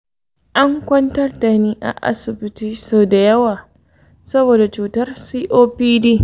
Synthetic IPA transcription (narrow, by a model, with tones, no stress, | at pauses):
ʔa˦ŋkʷɐ˦ntɐ˦rda˨niː˦ʔa̰˨ʔa̰˦sɪ˨bɪ˦tiː˦soː˨da˨jɐ˦waː˨ | sɐ˦boː˨da˨t͡ʃuː˨tɐ˦rsiː˦ʔoː˦piː˦diː˦